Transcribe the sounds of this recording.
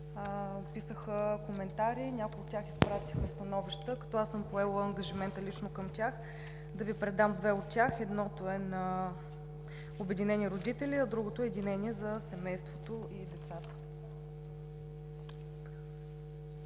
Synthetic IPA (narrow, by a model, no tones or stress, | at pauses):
pisəxəkomɛnt̪aɾiːnʲakojot̪ːʲjaxispɾat̪ixəst̪ɐnɔviʃt̪əkɐ̥t̪ɔasɤmpoɛlˠəːŋɡəʒimɛnt̪əlit͡ʃnokəmt̪ʲax | d̪ɐvipɾɛd̪amd̪vɛot̪tʲjaxɛd̪nɔt̪oɛnə | obɛd̪inɛniɾod̪it̪ɛlʲiɐd̪ɾuɡot̪oɛɛd̪inɛnʲiɛzɐsɛmɛjst̪vot̪oʔid̪ɛt̪sat̪ə̥